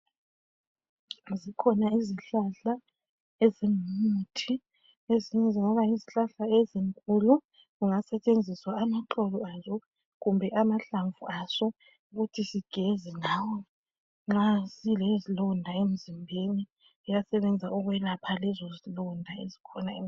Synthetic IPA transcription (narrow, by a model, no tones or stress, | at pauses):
zikʰɔnaiziɬaɬa | eziŋmmutʰi | eziɲɛziŋɔβajiziɬaɬaeziŋkʼulu | ɣuŋasɛt͡ʃʼend͡zʱiswaːmaǁɔlɔazɔ | ɣumbʱɛʔamaɬaɱvuʔasɔ | uɣutʰisiɡ̥ʱezinawɔ | ŋ͡ǁasilezilɔndʱaem̩zimbʱeni | ijasɛβɛnd͡zʱauɣwɛlapʰalɛzɔzilɔndʱaezikʰɔnae